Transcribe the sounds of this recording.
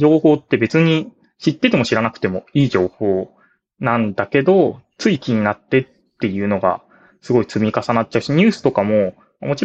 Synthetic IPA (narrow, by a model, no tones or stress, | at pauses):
d͡ʑo̞ːho̞ːt̪ːe̞be̞t͡sɨɲ̟i | ɕit̪ːe̞t̪e̞mo̞ɕiɾanakɯ̟̥t̪e̞mo̞iːd͡ʑo̞ːho̞ː | nãnd̪ake̞d̪o̞t͡sɨikʲiɲ̟inat̪ːe̞t̪ːe̞jɯ̟ːno̞ɡa̰ | sɨɡo̞it͡sɨmʲikasanat̚ːt͡ɕaɯ̟ɕiɲ̟ɨːsɨ̥t̪o̞kamo̞ | mamot͡ɕi